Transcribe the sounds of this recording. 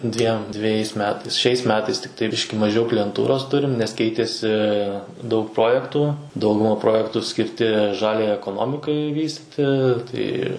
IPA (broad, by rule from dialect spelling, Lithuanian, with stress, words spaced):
ˈdʲʋʲiɛm dʲʋʲɛˈjɛɪs ˈmʲæːtɐɪs ˈʃʲɛɪs ˈmʲæːtɐɪs tʲɪkˈtɐɪ ˈbʲɪʃʲkʲɪ mɐˈʒʲɛʊ klʲɪjɛnˈtuːroːs ˈtʊrʲɪm nʲɛs ˈkʲɛɪtʲeːsʲɪ dɐʊk ˈproːjɛktuː ˈdɐʊɡʊmɐ ˈproːjɛktuː sʲkʲɪrʲˈtʲɪ ˈʒɑːlʲɛjɛɪ ɛkoːˈnoːmʲɪkɐɪ ˈʋʲiːsʲtʲɪtʲɪ tɐɪ